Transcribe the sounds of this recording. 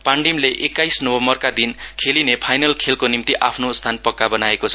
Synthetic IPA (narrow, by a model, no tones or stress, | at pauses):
paɳɖimleʔekːajsnʌbʌmbʌrkad̪inkʰelinepʰajnʌlkʰelkonimt̪iʔapʰnost̪ʰanpʌkːabʌnaekot͡sʰʌ